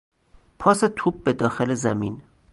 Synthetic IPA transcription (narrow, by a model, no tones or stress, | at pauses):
pʰɒːset̪ʰuːb̚bed̪ɒːxelezæmiːn